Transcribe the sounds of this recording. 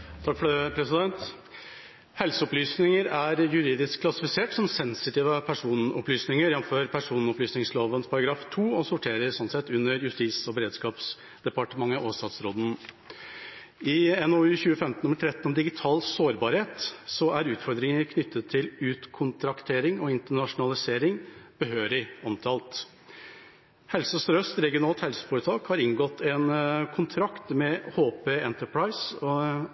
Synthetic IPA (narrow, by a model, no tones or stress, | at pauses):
t̪ʰɑkfɔɛpʰɾɛsɪd̪ɛnt̪ | hɛlsəɔplyːsnɪŋəɾæɾjʉɾiːd̪ɪskʰlɑsɪfɪseːʈsɔmsɛnsɪt̪iːʋəpʰæʂuːnɔplyːsnɪŋəɾjɛnmføːɾpʰæʂuːnnɔplyːsnɪŋsloːʋənspʰɑɾɑɡɾɑːft̪ʰuːɔsʊʈʰeːɾəɾsɔnt̪sɛt̪ːʉnːəɾjʉst̪iːsɔbɛɾeːd̪skɑːps | d̪̥ɛpɑʈəmɑŋːəʔoːst̪ɑt̪sɾoːd̪n̩ | ɪɛnoʉːçʉːəfɛmt̪n̩ʊmːəʈ̪ʰɾɛt̪ːn̩ɔmd̪ɪɡɪt̪ʰɑːlsoːɾbɑːɾheːt̪sɔæɾʉːt̪fɔɾd̪ɾɪŋəɾkʰnʏt̪ʰːət̪ʰːɪlʉːt̪kʰʊnt̪ʰɾɑkt̪ʰeːɾɪŋɔɪnt̪əɳɑʂʊnɑlɪseːɾɪŋb̥əɦøːɾɪɔmt̪ʰɑːlt̪ | hɛlsəsɾœst̪ɾɛɡɪʊnɑːlt̪hɛlsə̥fɔːɾət̪ʰɑːkhɑɾɪŋɡɔt̪ʰːɛnkʰʊnt̪ʰɾɑkt̪mɛhoːpeːɛnt̪əɾpʰɹaɪs